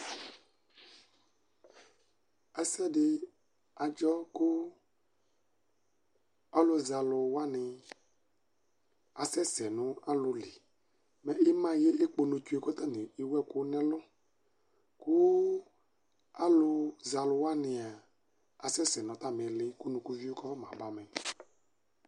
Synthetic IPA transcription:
ɛ˨sɛ˦dɪ˨ | a˨d͡ʒɔ˦kʊ˦ | ɔ˦lʊ˨za˨lʊ˧wa˦nɪ˨ | a˨sɛ˦sɛ˨nʊ̃˦a˦lʊ˨li˨ | mɛ˨ɪ˦mã˦je˦ʔe˦k͡po˨nʊ˨t͡ʃu˦e˨kɔ˦t̪a˦˨nɪ˨ɪ˨wɛ˦kʊ˦nɛ̃˦lʊ˦ | kʊ˦ | a˦lʊ˧za˨lʊ˨wa˦nɪ̃˨a˨ | a˨sɛ˦sɛ˨nɔ̃˨t̪a˦˨m˨ɛ˨lɪ˦kʊ˦nʊ̃˨ku˦vi˦o˦kɔ˦mã̰˨ba˨mɛ˨

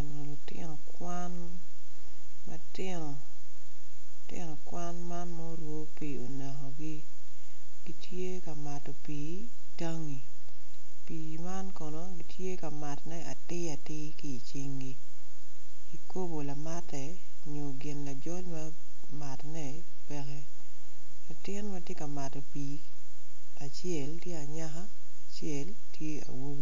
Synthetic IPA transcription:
ɛ˨nɔ˨lʊ˨tɪ̰˦nɔ˨kwa˦n | ma̰tɪ˦nɔ˨ | tɪ̰˦nɔ˨kwa˦nma˦nmɔ˦ɾwo˦pi˨o˨na˨ɦo˨ɡi˦ | ɡi˦tʰje˦ka˨ma˨tɔ˨piː˨ | ta˦ŋi˨ | pi˨ma˦nkɔ˨no˦ɡi˦tje˦ka˨ma˨tnɛ˦ʔa˨tɪ˦a˨tɪ˦kɪ˦i˨t͡ʃɪ˦ŋɡi˦ | i˨ko˦bo˨la˨ma˦tɛ˨ | ɲo˨ɡɪ˨nla˨d͡ʒɔ˦dma˦ | ma˨tnɛ˦ | pɛ˦kɛ˦ | la˨tɪ˦nma˦tje˦ka˨ma˨tɔ˨pi˨ | a˨t͡ʃjɛ˨ltje˦a˨ɲa˦xaː˦˨ | t͡ʃjɛ˦l | tʰje˦a̰˨wo˦ɡo˦

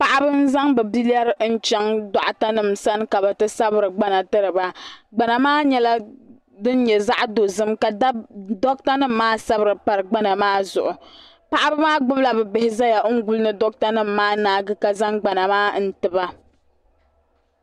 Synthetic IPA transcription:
pa˨ʔa˦bɨ˦n̩˦za˦ŋbɛ˨bi˦la˦ɾɨ˦n̩˦t͡ʃɛ˦ŋda˨ʔʊ˨ta˦nɨ˦msa˦n˦ka˨bɛ˨tɨ˦sa˦bɨ˦ɾɨ˨ɡ͡ba˦na˨tɨ˦ɾɨ˨ba˦ɡ͡ba˨na˨maː˦ɲɛ˦la˦ | dɨ˦n˦ɲɛ˨za˦ʔdo˨zɨ˦mka˨˦dɔ˦k̚ta˦nɨ˦m̩ːaː˦sa˦bɨ˦ɾɨ˨pa˨ɾɨ˨ɡ͡ba˦na˨maː˦zʊ̰˨ʔʊ˨ | pa˨ʔa˦bɨ˦maː˦ɡ͡bʊ˦bla˨bɛ˨bɛ˨hɪ˦za˦ja˨˦ŋ̩˦ɡu˦lɨ˦nɨ˦dɔ˦k̚ta˦nɨ˦m̩ːaː˦naː˦ɡɨ˦ka˨za˦ŋɡ͡ba˨na˨maː˦n̩˨tɨ˨ba˦

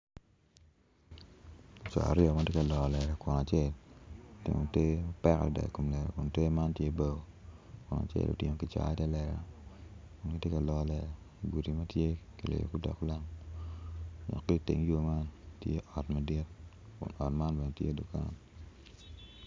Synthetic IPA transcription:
t͡ʃɔ̰˨a̰˨ɾɪ˦ɔ˨ma˦tje˦ka˨lɔ˨lɛ˨ɾɛ˨kʊ˨na˨t͡ʃe˦˨ltḛ˨ŋo̰˨te˦ma˦pɛ˦ko˨dɛ̰˨ko˨mlɛ˨ɾɛ̰˨kʊ˨nte˦ma˦ntje˦bo˦ɡo˨ | kʊ˨na̰˨t͡ʃḛ˦˨lo̰˨tɪ˨ŋo˨ki˨t͡ʃa̰˨˦tɛ˦lɛ˨ɾɛ̰˨ | kʊ˨nki˦tje˦ka˨lɔ˨lɛ˨ɾ | i˨ɡu˨ti˨ma˦tje˦ki˨lḛ˨jo̰˨ku˦dɔ̰˨kla˦ŋ | nɔ̰˨kːe˦i˦tḛ˨ŋjo˦ma˦ntjḛ˦ʔɔ˨tma˨di˦t | kʊ̰˨nɔ˨tma˦nbɛ˨no˨tjḛ˦du˨ka̰˦n

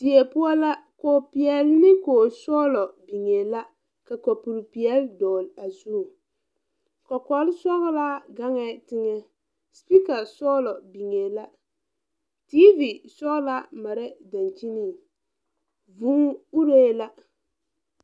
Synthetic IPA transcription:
ti˨e˨pʊ˦ɔ˦la˦koː˨pi˨jɛ˨lnɪ˦koː˨sɔː˦lɔ˨bi˨ŋe˨la˦ | ka˨kɔ˨pu˨ɾpi˨ɛ˦ldɔː˨la˨zu˦˨ | kɔ˨kɔ˨˦lsɔ˦ɣla˦ɡa˦ŋɛ˨tɪ˦ŋɛ˦ | spi˦ka˨sɔː˦lɔ˨bi˨ŋe˨la˦ | tiː˦vi˨sɔ˦ɣla˦ma˨ɾɛ˦da˨nt͡ʃi˦ni˦˨ | vu˦ŋu˦ɾe˦la˦

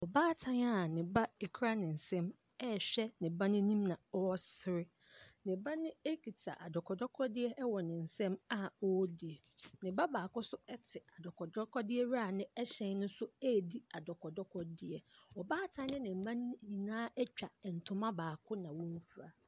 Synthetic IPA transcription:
ɔ˨baː˦tʰã˦n˦a˦˨nɪ̃˨ba˦e˨kʰɾa˦nɪ̃˨n̩˨sɛ̃˦m | ɛ˦˨ɕᶣɛ˦nɪ̃˨bã˦nɪ̃˦nĩ˦mnã˨ɔ˦ɔ˦sɪ˦ɾɪ˦ | nɪ̃˨bã˦nɪ̃˦e˦kʰi˨tʰa̰˨ʔa˨dɔ˨kʰɔ˨dɔ˦kʰɔ˦dɪ˦ɛ˦ʔɛ˦wɔ˨nɪ̃˨n̩˨sɛ̃˦ma˦˨ɔ˦di˨ɛ˨nɪ̃˨ba˦baː˨kʊ˦sʊ˦ɛ˦tʰɪ˨a˨dɔ˨kʰɔ˨dɔ˦kʰɔ˦dɪ˦ɛ˦ɾa˦˨nɪ̃˦ɛ˦ɕɛ̃˨n˦nʊ̃˦sʊ˦ɛ˦˨di˦a˨dɔ˨kɔ˨dɔ˦kʰɔ˦dɪ˦ɛ˨ɔ˨baː˦tʰã˦n˦nɪ̃˦nɪ̃˨m̩˨mã˦n˦ɲĩ˨nãː˦ɛ˦t͡ɕᶣa˨n̩˨tʰʊ̃˦mã˦baː˨kʰʊ̃˦nã˨wɔ̃˦n˦fu˨ɾa˨

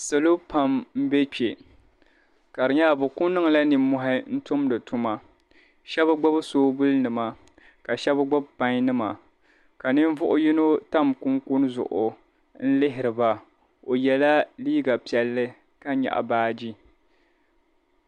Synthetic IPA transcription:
so˨lo˦pa˨mm̩˦be˦k͡pe˨ | ka˨ɾɨ˨ɲa˦˨bʊ˨kʊ˦nɨ˦ŋ˨la˦ni˨mːʊ˦ɦɪ˦n̩˦tʊ˦mdɨ˨tu˦ma˨ | ʃɛ˦bɨ˦ɡ͡bɔ˦bsoː˦bʊ˦lnɨ˨ma˨ | ka˨ʃɛ˦bɡ͡bɔ˦bpa˦ɲ˦nɨ˦ma˨ | ka˨nɨ˦ɱ˦vʊ˦ʔʊ˦ji˦no˦ta˦mku˦ŋku˦n˦zʊ̰˨ʔʊ̰˨ | n̩˦lɪ˦ɦɪ˨ɾɨ˨ba˨ | o˨jɛ˨la˦liː˦ɡa˨pi˨ɛ˨lːɨ˦ | ka˦ɲa̰˨ʔa̰˨baː˦d͡ʒi˦

